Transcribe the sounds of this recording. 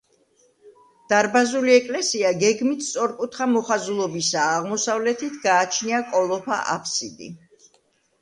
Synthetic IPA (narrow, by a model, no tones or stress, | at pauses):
d̪̥aɾbazuliɛkʼlɛsiaɡɛɡmit̪st̪sʼɔɾkʼut̪ʰχamɔχazulˠɔbisaːʁmɔsavlɛt̪ʰit̪ʰɡaːt͡ʃʰniakʼɔlˠɔpʰa̰ʔa̰pʰsid̪ḭ